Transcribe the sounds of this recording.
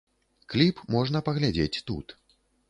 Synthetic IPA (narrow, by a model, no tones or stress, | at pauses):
klʲipmɔʐn̪ɐpɐɣlʲad͡zʲet͡sʲt̪ṵt̪